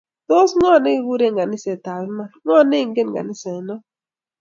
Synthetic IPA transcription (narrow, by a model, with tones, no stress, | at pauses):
t̪o˦sŋɔ˦˨nɪ˦˨˦wu˦ɾe˦ŋɡa˨nɪ˦sɛ˨ta˨lma˦˨ŋɔ˦˨nɪ˦˨ŋɡe˦nŋɡa̰˨nɪ˦sɛ˨nɔ˦